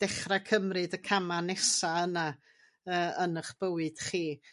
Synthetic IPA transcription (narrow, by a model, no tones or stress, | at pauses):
d̥ɛχrakʰəmrɨdəkʰamanɛsaəna | əːənəχb̥əwɨd̥χiː